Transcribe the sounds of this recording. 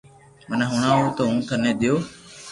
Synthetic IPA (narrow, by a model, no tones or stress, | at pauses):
mənɦʊɳãːɦoːt̪əɦũːt̪ʰəneːd̪ɪjoː